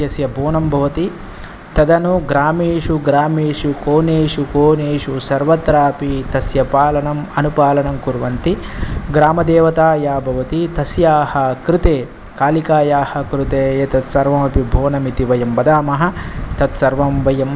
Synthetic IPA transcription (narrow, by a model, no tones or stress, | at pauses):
jɐsjɐbʱoːnɐmbʱɐʋɐt̪i | t̪ɐd̪ɐnuɡɾaːmeːʂuɡɾaːmeːʂukoːneːʂukoːneːʂusɐɾʋɐt̪ɾaːpit̪ɐsjɐpaːlɐnɐmɐnupaːlɐnɐmkuɾʋɐnt̪iɡɾaːmɐd̪eːʋɐt̪aːjaːbʱɐʋɐt̪it̪ɐsjaːhɐkɾɪt̪eː | kaːlikaːjaːhɐkɾut̪eːjet̪ɐt̪sɐɾʋɐmɐpibʱoːnɐmit̪iʋɐjɐmbɐd̪aːmɐɦɐ̆t̪ɐt̪sɐɾʋɐmbɐjɐm